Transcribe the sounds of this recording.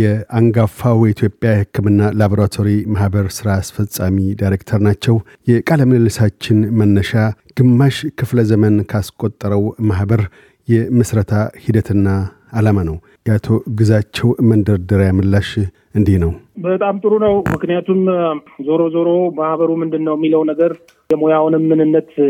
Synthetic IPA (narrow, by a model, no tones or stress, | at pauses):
jɛaŋɡafːawjit̪ʰjo̞pʼjahɨkʰːɨmɨnːalaboɾat̪ʰo̞ɾimahbəɾsɨɾaːsfəsʼamidajɾekt̪ʰəɾnat͡ʃːɛw | jɛkʼaləməlɨlːəsat͡ʃːɪnmənːəʃaɡ̥ɨmːaʃkʰɨfləzəmənkʰaskʼo̞t̪ʼːəɾəwmahbəɾ | jɛmɨsɾət̪ʰahid̪ət̪ʰɨnːaː | lamanəw | jat̪ʰo̞ɡɨzat͡ʃːɛwmənd̪əɾd̪əɾjamɨlːaʃ | ʔɨnd̪ihnəwbət̪ʼamt̪ʼɨɾunəwmɨknijat̪ʰumzoɾozoɾomahβəɾumɨnd̪ɨnːəwjɛmːiləwnəɡəɾ | jɛmojawnɨmːɨnɨnːət̪